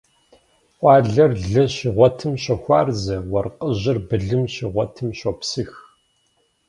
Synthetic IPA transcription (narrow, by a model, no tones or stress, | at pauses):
ʔʷɑːɮɐrɮɐɕiʁʷɔtʰɨmɕɐxʷɑːrzɐwɐrqəʑɪrbɨɮɨmɕiʁʷɔtʰɨmɕopsɨx